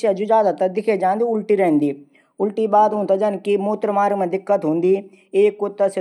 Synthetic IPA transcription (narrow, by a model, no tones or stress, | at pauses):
ʃad͡ʒud͡ʒaːd̪at̪ɐd̪ɪkʰed͡ʒãːnd̪iʊlʈiɾɐɦə̃nd̪iː | ʊlʈibaːd̪ɦũːnt̪ɐd͡ʒɐnkimoːt̪ɾmaːɾɡmẽd̪ɪkːət̪ɦõːnd̪iː | eːkːʊt̪ːəse